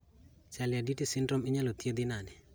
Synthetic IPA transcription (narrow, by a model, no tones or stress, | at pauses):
sɛlɪaditisɪndɾɔmɪɲalot̪jed̪ɪnanɛ